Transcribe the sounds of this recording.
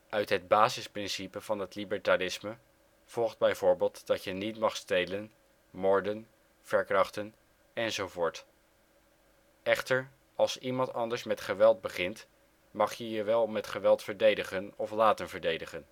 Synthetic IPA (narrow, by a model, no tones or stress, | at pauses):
ʔœɥtɦəd̚baːzɪsprɪnsipəv̥ɑnɦətlibəɹtalɪsmə | v̥ɔlˠχd̚bɛjvʊːɹbeːlˠtd̥ɑtjənitmɑχstejlən | mɔɹdən | v̥ɛɹkrɑχtən | ɛnzowvʊːɹt | ɛχtəɹ | ɑlˠsimɑntɑndəɹsmɛtχəʋɛlˠd̚bəχɪnt | mɑχjəjəʋɛlˠmɛtχəʋɛlˠtfəɹdejdəχənɔflaːtənvəɹdejdəχən